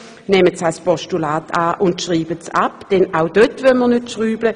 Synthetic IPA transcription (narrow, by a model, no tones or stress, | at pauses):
nɛmət͡salspɔʃtulaːtʰaːʔʊntʃʁiːbətt͡sa̰pd̥ɛnaʊdøtvœlmənøtʃʁyːblə